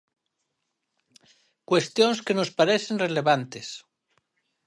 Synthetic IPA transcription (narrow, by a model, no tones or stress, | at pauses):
kwe̞st̪jonskenospaɾeθenrele̞βant̪es